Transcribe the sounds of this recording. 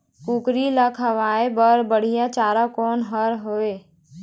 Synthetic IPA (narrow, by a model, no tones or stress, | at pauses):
kuːkɾilakʰəʋaːebəɾbəɽ̤ijat͡ʃaːɾakɔːnɦəɾɦoːeː